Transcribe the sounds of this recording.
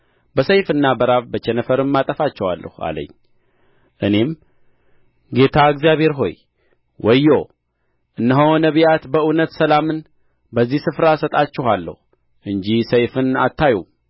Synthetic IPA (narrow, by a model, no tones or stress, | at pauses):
bəsəjfɨnːabəɾaβbət͡ʃɛnəfəɾɨmːat̪ʼəfat͡ʃːɛwalːə̰hua̰lə̰ɲː | ʔɨne̞m | ɡe̞t̪ʰaɨɡzjaβhe̞ɾɦo̞̰j | wʔɔjːo | ʔɨnːəɦownəβijat̪bəunət̪səlamɨn | bəzːihsɨfɾasət̪ʼat͡ʃːɛhalːə̰h | ʔɨɲd͡ʒisəjfɨna̰t̪ːaju